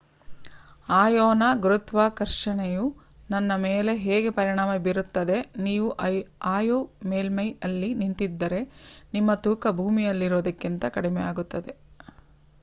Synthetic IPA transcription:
aːjoːnɐɡɾut̪ʋaːkɐɾʂɐɳeju | nɐnːɐmeːle̞ɦeːɡe̞pɐɾiɳaːmɐbiɾut̪ːɐd̪e̞niːʋuʔaːjoːmeːlmɐjɐlːinint̪id̪ːɐɾe̞nimːɐt̪uːkɐbʱuːmijɐlːiɾoːd̪ɐkːint̪ɐkɐɽimɛ̰jaːɡut̪ːɐd̪e̞

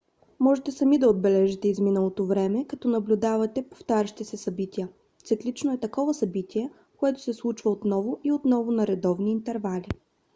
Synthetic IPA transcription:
mɔʒɛt̪ɛsɐmid̪ɐod̪̚bɛlɛʒɛt̪ɛizminəlˠot̪ovɾɛmɛkɐt̪ɔnɐblʲʊd̪avɐt̪ɛpo̥ft̪aɾʲəʃi̥t̪isɛsɐbit̪iə | t̪siklit͡ʃnoɛt̪ɐkɔvɐsɐbit̪iɛ | koɛt̪ʊ̥sɛslˠut͡ʃvɐot̪nɔvoʔiot̪nɔvʊnɐɾɛd̪ɔvniːnt̪ɛɾvalʲi

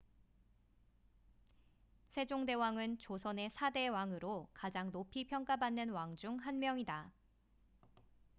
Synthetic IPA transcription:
sʰe̞d͡ʑoŋde̞waŋɯnt͡ɕosʰʌne̞sʰade̞waŋɯɾokad͡ʑaŋnopʰipʰjʌŋk͈abanːɯnwaŋd͡ʑuŋɦanmjʌŋida

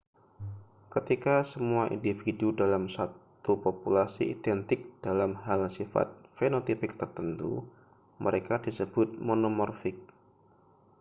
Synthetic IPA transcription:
kət̪ikasəmuaʔḭndifidudalamsat̪upopulasḭʔḭd̪ɛnt̪ɪk̚d̥alamɦalsifa̰t̪̚fenot̪ipɪk̚t̪ərt̪ənt̪ṵ | mʔəɾekadisəb̥ʊt̪̚monomɔrfɪk̚

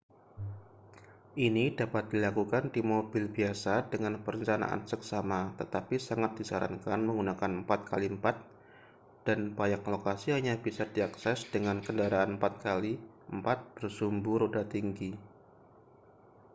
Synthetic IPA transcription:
ʔinidapat̪̚d̥ilakukandimobɪlbiasadəŋanpəɾəɲt͡ʃana̰ʔa̰nsəksamat̪ət̪apisaŋat̪̚d̥isaɾa̰nkanməŋɡunakanəmpat̪̚kʰaliəmpat̪̚ | d̥anpajaklokasihaɲabisadiaksɛsd̥əŋankəndaɾaanəmpat̪̚kaliʔəmpat̪̚b̥ərsumbʊhɾodat̪iŋɡi

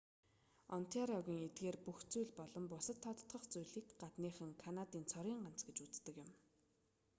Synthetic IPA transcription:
ɔn̥t̪ʰeɾɔɣʲiːŋet̪̚ɡeːrpuxt͡sujɮpɔɮɞ̆mpʊsə̆t̪ʰːɔt̪̆t̪ɢə̆χt͡sujɮiːkɢat̪niːχə̆ŋkʰanat̪iːnt͡sʰɔɾiːɴɢan̥t͡sɡet͡ɕut͡st̪ə̆kjɪ̆m

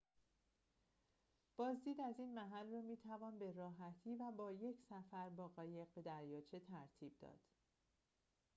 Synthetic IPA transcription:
b̥ɒːzd̪iːd̪æziːnmæɦælrɒːmiːt̪ʰævɒːnbe̞rɒːɦæt̪ʰiːvæbɒːje̞cʰsæfæɾbɒːɣɒːje̞ɣbe̞d̪æɾjɒːt͡ʃʰet̪ʰæɾt̪ʰiːb̚d̪ɒ̰ːd̪̥

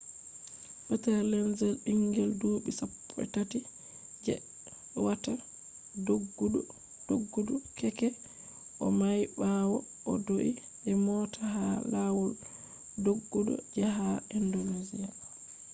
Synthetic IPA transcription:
ɓɛtalɛnzɛlɓiŋɡɛlduɓisapːɔɛ̰tati | d͡ʒɛ̰ | wata | doɡːuɗɔ | d̥oɡːudɔkɛkɛ | ʔɔmajbawɔ | ʔɔdoʔi | d͡ʒɛmɔtʰahalawɔl | doɡːuɗɔ̰d͡ʒɛɦaindonezija

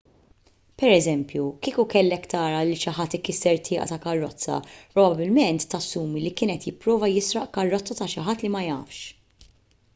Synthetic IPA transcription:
pɛɾɛzɛmpjukiːkukɛlːɛkt̪ɐːɾɐliʃɪħɐt̪ːɪkɪsɛɾt̪ʰɪːʔɐ̰t̪ɐkɐrːɔt͡sːɐ̰pɾɔbɐbɪlmɛnt̪ːɐsːuːmilikɪːnɛt̪jɪpːɾɔːvɐjɪsɾɐʔkɐrːɔt͡sːɐt̪ɐʃɪħɐt̪ːlimɐjɐ̰ːfʃ

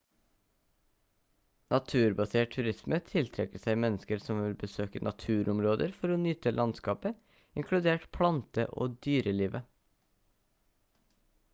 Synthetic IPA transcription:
nʔɑt̪ʰʉːɾbɑseːʈ̚tʰʉɾɪsmət̪ʰɪlt̪ʰɾɛkəsæɪmɛnəskəɾsɔmʋɪlbəsøːkənʔɑt̪ʰʉːɾʔɔmɾoːd̪əɾfɔɾoːnʏt̪əlʔɑnskɑːpə | ɪŋkʰɽʉd̪eːʈpʰlɑnt̪ə̰ʔo̰ːd̪yːɾəliːʋə

